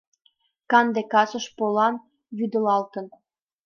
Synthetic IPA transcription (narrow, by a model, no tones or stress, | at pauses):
kɑnd̪ekɑsə̆ʃpolɑn | βyd̪ə̆lɑlt̪ə̆n